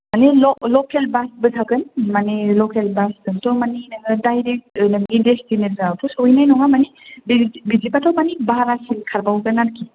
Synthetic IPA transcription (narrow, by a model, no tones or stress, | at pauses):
manelɔlɔkʰelbasbɯdʰaɡɯnmanelɔkʰelbasdɯntʰɔmaninaɡɯdajɾek̚tnɯɡidestinɯɾzapʰusɔjnajnɔŋamanibbizipatʰawmanibaɦɾasinkʰaɾbawɡɯnaɾki